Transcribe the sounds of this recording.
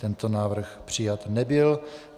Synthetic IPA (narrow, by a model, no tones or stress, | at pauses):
t̪ɛnt̪onaːvr̩xpr̝̥ɪjat̪nɛbɪl